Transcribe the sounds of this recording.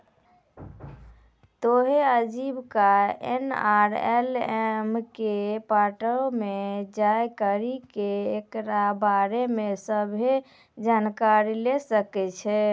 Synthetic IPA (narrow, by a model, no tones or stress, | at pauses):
t̪oɦeəd͡ʒibkaɛ̰naɾɛ̰lɛmkepaʈəlmed͡ʒajkəɾikeekɾabaɾemesəbʱe | d͡ʒankaɾilesəkɛt͡ʃʰɛ